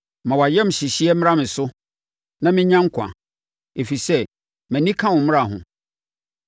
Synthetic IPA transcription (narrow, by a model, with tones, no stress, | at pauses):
mã˨wa˨jɛ˦m̩˨ɕɪ˨ɕi˦ɛ˦m̃˦ã˦mɪ̃˨sʊ˦ | nã˦mɪ̃˦ɲã˦ŋ̩˦kʰã̰˨ | e˨fi˨sɛ˦ | mæ̃˨nĩ˦kʰã˦wʊ̃˨m̃˦a˨ɦʊ̰̃˨